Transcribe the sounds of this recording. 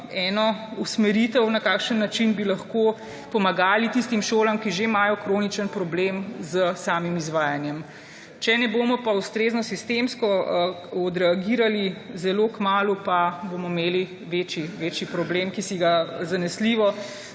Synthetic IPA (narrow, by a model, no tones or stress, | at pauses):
ɛːnɔusmɛɾiːt̪ɛwnɐkaːkʃənːat͡ʃinbilɐxkoː | pɔmaɡaːlit̪ist̪imʃoːlamkiʒemaːjɔkɾoːnit͡ʃənpɾɔblemzəsaːmimizʋaːjanjɛm | t͡ʃɛnɛboːmɔpaust̪ɾeːznɔsist̪emskɔ | ɔd̪ɾɛaɡiːɾalizɛloːkmaːlupabomɔmeːli | ʋeːt͡ʃiʋeːt͡ʃipɾɔbleːmkisiɡazanɛsliːʋɔ